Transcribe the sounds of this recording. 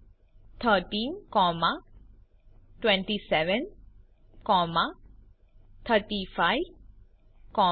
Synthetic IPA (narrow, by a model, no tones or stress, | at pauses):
t̪ʰətĩnkɔma | twɛ̃ntisɛvə̃n | kɔma | t̪ʰətifaj | kɔ